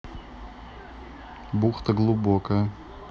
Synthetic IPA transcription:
buxt̪əɡlˠubokəjə

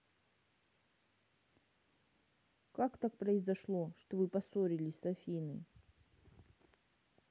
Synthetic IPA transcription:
kakt̪ak̚pɾəɪzɐʂlˠoʂt̪ovɨpɐsoɾʲilʲɪsʲsɐfʲinɨ̰

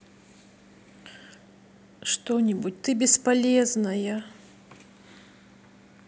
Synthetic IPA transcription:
ʂt̪ɔnʲibut͡sʲt̪ɨbʲɛspalʲɛznɐjɐ

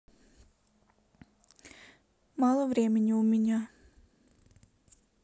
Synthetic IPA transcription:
malˠɔvɾiɛmʲiɲuumʲiɲaː

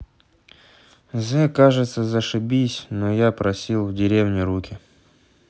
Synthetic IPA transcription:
zɛkaʐɨt̪səzəʂɨbʲisʲnojapɾɐsʲilˠvdʲɪɾʲevnʲɪɾukʲɪ

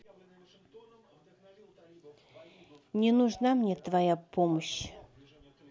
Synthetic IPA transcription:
nʲɪnuʐnamnʲet̪vajapoməɕ

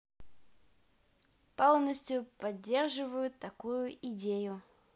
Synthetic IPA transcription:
polˠnəsʲtʲjʊpɐdʲːe̞rʐɨvəjʊt̪ːɐkujʊʔɪdʲejʊ

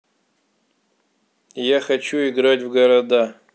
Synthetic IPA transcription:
jaχat͡ʃʰuiɡɾatʲvɡɐɾad̪a

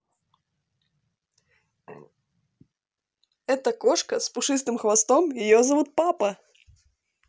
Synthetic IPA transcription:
ɛt̪əkoʂkəspʊʂɨst̪ɨmxvɐst̪omjɪjozɐvut̪̚papɐ

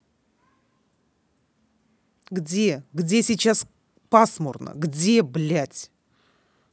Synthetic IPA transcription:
ɡdʲeɡdʲe̞sʲijt͡ʃas | pasmoɾnə̰ɡdʲe̞blʲætʲ

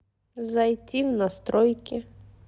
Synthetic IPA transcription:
zɐjtʲiwnɐst̪ɾɔjkʲɪ

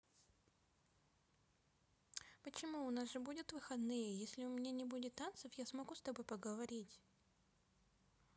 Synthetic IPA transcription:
pət͡ɕɪmuʊnasʐɨbudʲɪt̪vɨxɐd̪nɨjəjesʲlʲɪʊmʲɪnʲanʲɪbudʲɪt̪ːant̪səfjasmɐɡust̪ɐbojpəɡəvɐɾʲitʲ

